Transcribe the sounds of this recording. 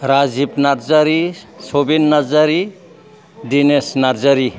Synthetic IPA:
ɾazibnaɾzaɾi | sobinːazaɾi | dinesnaɾzaɾi

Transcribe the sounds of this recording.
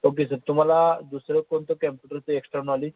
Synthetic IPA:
ok̬esəɾt̪um̤alad̪usɾekont̪okempjuʈəɾt͡seeksʈanali

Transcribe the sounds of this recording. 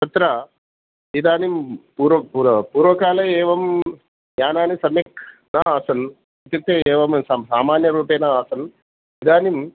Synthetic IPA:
tɐt̪ɾa | id̪aːnimpuːɾɐkpuːɾɐpuːɾʋɐkaːlɐɛːʋɐm | jaːnaːnisɐmjɐk | naːaːsɐn | ɐt̪ɐt̪ːeɛːʋɐmssaːmaːnjɐɾuːpeːnaaːsɐn | id̪aːnim

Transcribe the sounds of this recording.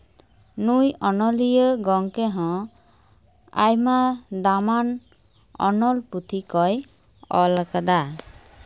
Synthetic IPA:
nujɔnɔlijəɡɔŋkɛɦɔ̃ | a̰jmad̪aman | ɔ̰nɔlput̪ʰikɔj | ɔlakad̪a

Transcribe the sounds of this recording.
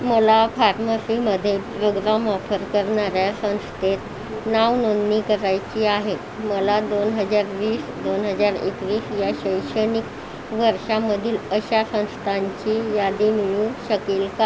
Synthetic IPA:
məlafaɾməsiməd̪ʱːjepɾoɡɾamɔfəɾkəɾɳaɾjasə̃w̃st̪ʰet̪ | naʋnond̪nikəɾajt͡ɕiːaɦet̪ | məlad̪onɦəd͡zaɾʋiːsd̪onɦəd͡zaɾḛkʋiːsjaɕəjʂənik | ʋəɾʂaməd̪ʱiːləɕjasə̃w̃st̪ʰaɲt͡ɕiːjad̪imiɭũɕəkiːlka

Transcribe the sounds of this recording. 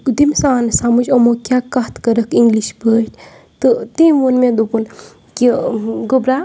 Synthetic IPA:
kud̪imsaːnsamud͡ʒomokjakɐht̪kɐɾəkiŋɡliʃbəʈʲ | t̪ɨt̪eʋonmẽd̪opun | kiɡobɾa

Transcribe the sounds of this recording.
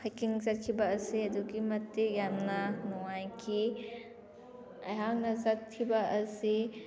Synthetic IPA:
hajkiŋzɐt̪̚kʰibaːsiɐd̪uɡimɐt̪ːejamnanɔwajkʰi | ɐ̰jɦaŋnɐzɐt̪̚kʰibaʔɐsi

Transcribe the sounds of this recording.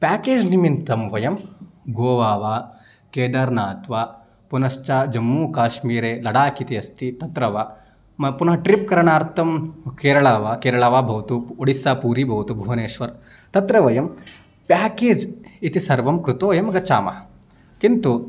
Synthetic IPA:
pʲaːkeːd͡ʒnimint̪ɐmʋɐjɐmɡoːʋaːʋaː | keːd̪ɐɾnaːt̪ʋaː | punɐʃt͡ʃaːd͡ʒɐmːuːkaːʃmiːɾeːlɐɽaːkit̪iɐst̪it̪ɐt̪ɾɐʋaː | mɐpunɐɦɐʈɾip̚kɐɾɐɳaːɾt̪ɐmkeːɾɐɭaːʋaːkeːɾɐɭaːʋaːbʱɐʋɐt̪uoɽisaːpuːɾibʱɐʋɐt̪ubʱuːɐneːʂʋɐɾ | t̪ɐt̪ɾɐʋɐjɐm | pʲaːkeːd͡ʒit̪isɐɾʋɐmkɾut̪oːjɐmɡɐt͡ʃa̰ːmɐ̰ɐ | kint̪u

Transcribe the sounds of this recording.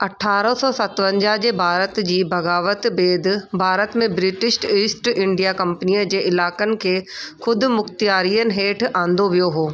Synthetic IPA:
ɐʈʰaːɾəsɔːsɐt̪ʋə̃ɲd͡ʑaɦd͡ʑeːbʱaːɾət̪d͡ʑiːbʱɐɣaːʋət̪beːd̪bʱaːɾət̪mẽbɾɪʈɪsʈiːsʈɪ̃ɳɖijakɐ̃mpniːəd͡ʑeːʔɪlaːkənɪ̆kʰeːxʊd̪ʱʊ̆mʊxt̪ijaːɾiːənɪ̆ɦeːʈʰãːn̆d̪oʋijoɦoː

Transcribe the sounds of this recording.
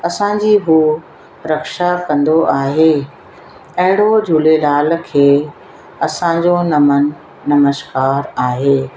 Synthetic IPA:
ɐsãɲd͡ʑiːɦuː | ɾɐkʃakɐ̃nd̪oʔaːɦeː | ɐ̃ɦɪɽ̤̃od͡ʑʱulelaːl̆kʰeː | ɐsãɲd͡ʑonɐmə | nɐməʃkaːɾaːɦeː

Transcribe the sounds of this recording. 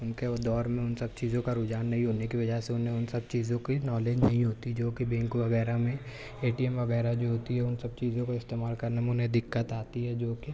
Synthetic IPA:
ʊnked̪ɔːɾmẽʊnsɐb̚t͡ʃiːzõkaɾʊd͡ʒaːnːɐɦĩɦoːnekiʋɐd͡ʒaɦseʊnɦẽʊnsɐb̚t͡ʃiːzõkinɔːleːd͡ʒnɐɦĩɦoːt̪id͡ʒoːkibẽːŋkuʋɐɣɛːɾamẽ | eːʈiɛmʋɐɡɛːɾad͡ʒoːɦoːt̪iɦɛʊnsɐb̚t͡ʃiːzõkoɪst̪eːmaːlkɐɾnemẽʊnɦẽd̪ɪkːət̪aːt̪iɦɛd͡ʒoːke

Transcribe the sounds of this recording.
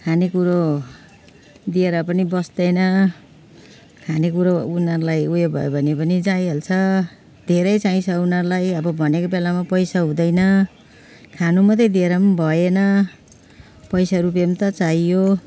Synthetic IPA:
kʰanekuɾo | d̪ieɾʌpʌnibʌsd̪ʌjnʌ | kʰanekuɾounʌrlajujobʱʌ̰jobʱʌnepʌnid͡zajɦelt͡sʰʌ | d̪ʱeɾʌjt͡saĩsʰʌunʌrlajʌbʌbʱʌnekobelamapʌjsaɦũd̪ʌjnʌ | kʰanumʌt̪ed̪ʱieɾʌmbʱʌjenʌ | pʌjsaɾup̬emt̪ʌt͡saijo

